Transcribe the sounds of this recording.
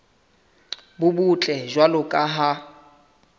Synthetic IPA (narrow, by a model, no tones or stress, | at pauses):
bʊbut͡ɬʼɛʒwalʊkʼaɦa